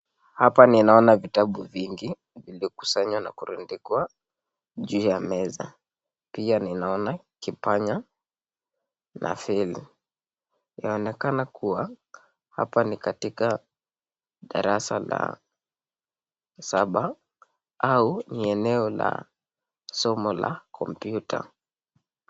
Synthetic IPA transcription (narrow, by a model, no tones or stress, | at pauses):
hapaninaɔnavitaɓuviŋɡi | viliɔku̥saɲwana̰kuɾundikwa | ʄuːjamɛza | pianinaɔna | kipaɲa | nʔa̰film | naɔnɛkanakuwa | ha̰panikatika | ɗaɾasala̰ | saɓa | auniɛnɛɔla̰ | sɔmɔla̰kʰɔ̰mpjutʰa̰